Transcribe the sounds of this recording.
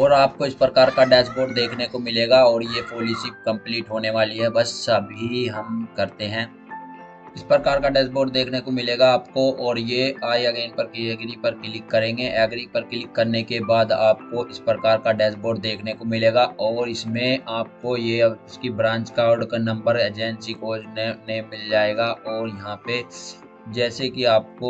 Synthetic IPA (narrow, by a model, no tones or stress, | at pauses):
ɔːɾaːp̚koɪspɾɐkaːɾkaɖɛːsboːɖd̪eːkʰnekomɪleːɡaɔːɾjepoːlɪsɪk̚kɐ̃mpliːʈɦoːneʋaːliɦɛbɐsɐbɦiɦɐmkɐɾt̪eɦɛ̃ː | ɪspɾɐkaːɾkaɖɛːsboːɖ̚d̪eːkʰnekomɪleːɡaaːpkoʔɔːɾjeaːiɐɡeːnpɐɾkɛːɡɾipɐɾkɪlɪkːɐɾẽːɡeʔɛːɡɾipɐɾkɪlɪkːɐɾnekebaːd̪aːp̚koʔɪspɾəkaːɾkaɖɛːsboːɖd̪eːkʰnekomɪleːɡaɔːɾɪsmẽaːp̚kojeɪskibɾãːɲt͡ʃkaɖknɐ̃mbəɾeːd͡ʒɛ̃ːnsikoːd͡ʒnenemɪld͡ʒaːeːɡaʔɔːɾjɐɦãpe | d͡ʒɛːsekiaːp̚ko